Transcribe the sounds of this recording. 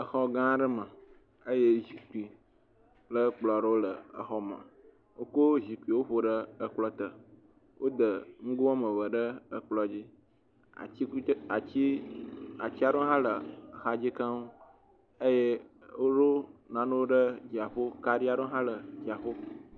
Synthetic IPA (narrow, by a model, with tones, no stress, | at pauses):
ə˨xɔ˦ɡã˦ɖə˦mə̃˨ | ə˦je˦zi˨ku˨i˨ | lə˦k͡plɔ˨ɖə˦wo˦lə˨ə̰˨xɔ˦mã̰˨ | wo˦ko˦zi˨ku˨i˨wo˦ɸo˨ɖə˦ə˦k͡plɔ˦t̪ə˨ | wʔo˦d̪ə˨ŋ̩˦ɡo˦a˦mə̃˨βə˨ɖə˦ə˦k͡plɔ˨d͡ʑi˦ | a̰˨i˦a˨t͡ɕi˦ | a˨t͡ɕi˦a˨ɖo˦ɦã˦lə˨xa˨d͡ʑi˦ka˦ŋu˦ | ə˦je˦ | wo˦ɖo˦nã˨nõ˦wo˦ɖə˦d͡ʑi˨a˨ɸo˦ka˨ɖi˦a˦ɖo˦ɦã˦lə˨d͡ʑi˨a˨ɸo˦